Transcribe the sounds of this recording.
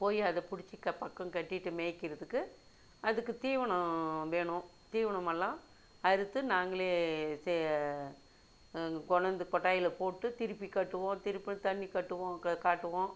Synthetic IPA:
poːjiɐðɛpʊɽɪt͡ʃːɪkːɐpɐkːɐ̃ŋkɐʈːɪʈːɯmeːkːɪɾɐðɯkːɯ | ʔɐðɯkːɯt̪iːʋɐɳɐ̃ʋeːɳʊ̃t̪iːʋɐɳɐmɛlːãː | ɐɾɯt̪ːɯnaːŋɡɐɭeːs | kɔɳɐnd̪ɯkɔʈːaːjɪlɐpoːʈːɯt̪ɪɾɯpːikɐʈːɯʋõːt̪ɪɾɯpːɯt̪ɐɳːikɐʈːɯʋõːkaːʈːɯʋõː

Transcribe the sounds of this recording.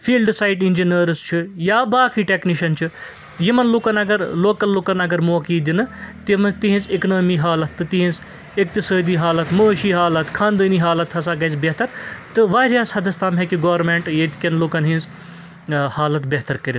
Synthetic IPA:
fiːlɖsaːjʈind͡ʒinɐɾst͡ʃʰijaːbaːkʰiːʈekniʃɐnt͡ʃʰi | jimɐnloːkɐnɐɡɐɾloːkɐlloːkɐnɐɡɐɾmoːkiːd̪inɨt̪mɐnt̪iɦĩnzeknoːmiːɦaːlɐt̪ːɨt̪iɦĩns | ek̚t̪isoːd̪iːɦaːlɐt̪məːʃiːɦaːlɐt̪kʰãːnd̪əːniːɦaːlɐt̪hɐsaːɡɐjsbʲeɦt̪ɐɾt̪ɨʋaːɾʲaːshɐd̪ɐst̪ʰaːmɦekiɡoːʋɾmẽɳʈjet̪kʲɐnloːkɐnɦĩnz | haːlɐt̪beɦt̪ɐɾkɐɾin

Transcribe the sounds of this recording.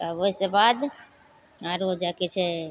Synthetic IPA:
aoisebad̪ | aɾod͡ʒaket͡ʃʰɛ

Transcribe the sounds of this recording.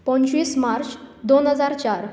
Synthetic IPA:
pə̃ɲt͡ɕiːsmaɾt͡ɕd̪onɦəd͡zaɾt͡ɕaɾ

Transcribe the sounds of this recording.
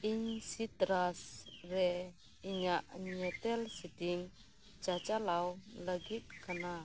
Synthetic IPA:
iɲsit̪ɾasrɛ | iɲaʔɲɛt̪ɛlsid̪iŋ | t͡ʃat͡ʃalawləɡit̪̚kəna

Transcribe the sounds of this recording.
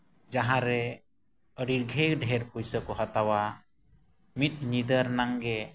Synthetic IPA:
d͡ʒaɦãɾɛ | əɽiɾɡʱɛkɖʱɛɾpujsəkɔɦat̪awa | mit̪̚ɲid̪əɾnaŋɡɛ

